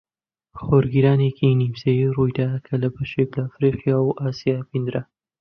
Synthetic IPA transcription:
χoɾɡiɾaːnekʰinimsejirujd̪akʰɐlɐbɐʃeklɐːfɾiqjawʔaːsijaːpind̪ɾɐ

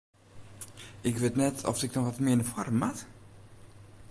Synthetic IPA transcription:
ɪkʋetnɛtʰɔ̰fɪk̚dɔxʋɔtmɪnəfɔrəmat

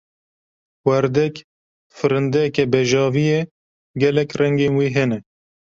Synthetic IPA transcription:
wæɾd̪ɛk | fɨɾɨnd̪ɛɛkɛbɛʒɑːvijɛ | ɡɛlɛkrɛŋɡeːnwiːɦɛnɛ

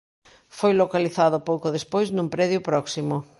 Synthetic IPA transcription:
fojlokaliθaðʊpowkoðespojznũmpɾɛðjʊpɾɔksimʊ

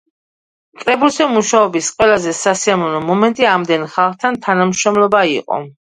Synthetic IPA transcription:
kʼɾɛbulsɛmuʃaɔbisqʼwɛlazɛsasiamɔnɔmɔmɛnt̪ʼiamd̪ɛnχalˠχt̪ʰant̪ʰanamʃɾɔmlˠɔbaiqʼɔ̰

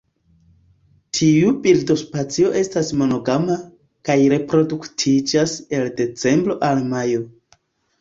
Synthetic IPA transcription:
tʰiubildo̞spat͡sio̞ʔe̞stasmo̞no̞ɡama | kajɾe̞pɾo̞duktʰid͡ʒase̞lde̞t͡se̞mbɾo̞ʔalmajo̞

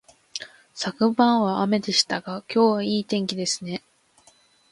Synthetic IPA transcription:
sakɯ̟bãɰ̃βaʔame̞d̪e̞ɕi̥t̪aɡakʲo̞ːβaiːt̪ẽ̞ŋkʲid̪e̞sɨne̞

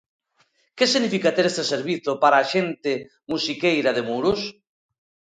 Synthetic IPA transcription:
kesiɣnifikat̪eɾest̪eseɾβ̞iθopaɾaːʃent̪e | musikejɾaðemuɾos

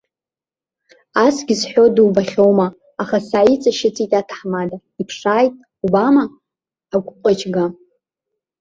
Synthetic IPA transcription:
asɡʲɪzħʷᶣo̞duwbaχʲo̞wmaː | χasaːit͡sʼaʃɪt͡sʼitʼatʰħmada | ipʰʂaːjtʼ | ubamaː | ɡʷʼqʷʼat͡ʃʰɡa

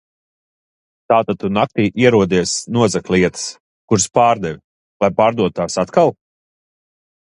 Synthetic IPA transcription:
t̪aːt̪at̪unak̚t̪iːʔiɛɾuɔd̪iɛsnuɔzɛklʲiɛt̪ə̥s | kuɾspaːɾd̪ɛvʲ | lˠajpaːɾd̪uɔt̪u̥t̪aːsat̪kalˠ

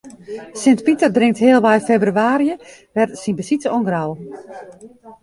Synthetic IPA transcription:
sɪntpitərdrɪŋtɦɪəlˠʋɛjfebryaːɾiəʋɛrsinbəsitɔnɡrawˠ

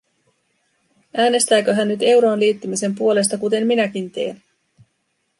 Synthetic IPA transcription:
ʔæːne̞st̪æːkøɦænːyt̪e̞wɾo̞ːnliːt̪ːymise̞mpuo̞le̞st̪ɑkut̪e̞mminæk̟int̪e̞ːn

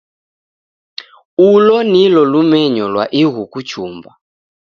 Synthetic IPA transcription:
ulɔnilɔlumɛɲɔlwaʔiɣukut͡ʃʰuːmba

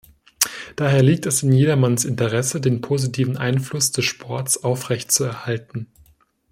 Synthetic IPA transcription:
d̥aːɦeːɐliːk̚tɛsɪnjeːɾɐmansɪntəʁɛsədeːnpʰoːzitʰiːvn̩ʔaɪnflʊsd̥ɛsʃpʰɔɐtt͡sʔaʊfʁ̥ɛçtt͡suɛɐhaltn̩

